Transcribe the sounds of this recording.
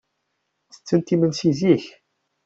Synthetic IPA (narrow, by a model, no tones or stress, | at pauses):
θə̥t͡sːənt̪imənsiziç